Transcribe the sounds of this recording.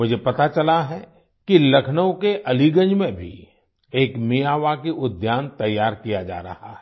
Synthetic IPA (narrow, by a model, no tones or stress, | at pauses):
mʊd͡ʒʱepɐt̪at͡ʃɐlaɦɛ | kilɐkʰnəwkeʔɐliɡə̃nd͡ʒmẽbʱḭ | eːkmijaːʋakiʔʊd̪jaːnt̪ɐjːaːɾkijad͡ʒa̰ːɾɐ̰ha̰ɦɛ